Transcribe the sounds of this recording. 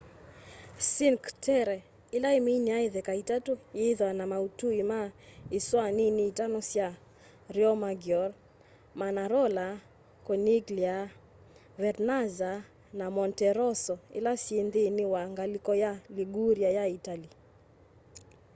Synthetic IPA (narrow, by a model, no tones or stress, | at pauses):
siŋktʰɛɾɛ | ilaeminiaeðɛkaitatujeðwanamautuimaiswaniniːtanɔsja | ɾjɔmaɡjɔɾ | manaɾɔla | kɔniɡlia | vɛtnaza | namɔntɛɾɔsɔḭlasjenðɪnɪwaŋɡalikɔjaliɡuɾjajaitali